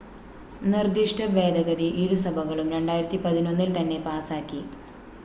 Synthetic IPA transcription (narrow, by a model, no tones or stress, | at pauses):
nird̪iʂʈʰɐʋe̞ːd̪ɐɣɐd̪iʔiːɾusɐbʱɐɣɐɭumɾeɳɖaːjiɾɐt̪ːipɐðino̞nːilt̪ɐnːe̞paːsaːkːi